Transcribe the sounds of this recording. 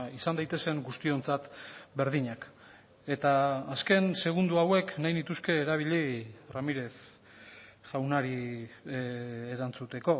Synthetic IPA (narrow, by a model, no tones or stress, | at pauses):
isand̪ajt̪e̞se̞ŋɡust̪io̞nt͡sat̪be̞ɾðiɲak | e̞t̪aːske̞nse̞ɣ̞und̪uawe̞knajnit̪uske̞ːɾaβ̞iʎiramiɾe̞θ | ʝawnaɾi | eɾant͡sut̪e̞ko̞